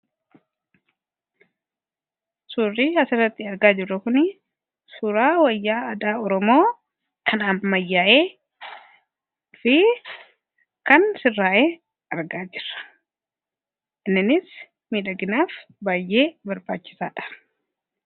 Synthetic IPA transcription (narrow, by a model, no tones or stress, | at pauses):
suːrːiːɐsɪrːɐt̪ːɪɐɾɡaːd͡ʒɪrːɐkʊnɪ | sʊːɾaːwɐjːaːɐd̪aːɔɾɔmo̞ː | kʰɐnaːfmɐjːaːʔe̞ː | fɪ | kɐnsɪrːaːʔeː | ɐɾɡaːd͡ʒɪrːɐ̥ | ʔɪnːɪnɪs | miːᶑɐɡɪnaːf | baːjʔe̞ːbɐɾba̰ːt͡ʃːɪ̥saːᶑɐ̥